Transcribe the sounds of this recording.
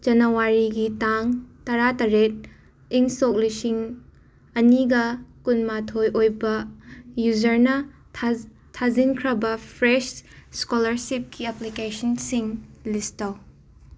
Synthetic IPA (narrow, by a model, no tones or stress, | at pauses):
d͡ʒɐnɐwaɾiɡitaŋtɐɾatɐɾet̚ | iŋsok̚lisiŋ | ɐniɡɐkunmatʰojʔojbɐjuzɐɾnɐ | tʰazinkʰɾɐbɐpʰɾesskolɐɾsip̚kiɐplikesɔnsiŋlistɐw